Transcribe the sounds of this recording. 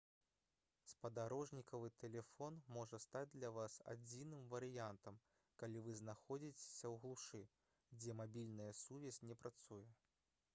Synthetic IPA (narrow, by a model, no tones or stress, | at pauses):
spɐd̪aɾɔʐnʲikɐvɨt̪ɛlʲɛfɔnmɔʐɐst̪ad͡zʲd̪lʲɐvasa̰d͡zʲinɨmvɐɾɨjant̪ɐm | kalʲivɨznaxɔd͡zʲit͡sʲe̥sʲɐwɣlˠuʂɨ | d͡zʲɛmabʲilʲnɐjɐsuvʲɛsʲnʲɛpɾʔat̪sujɛ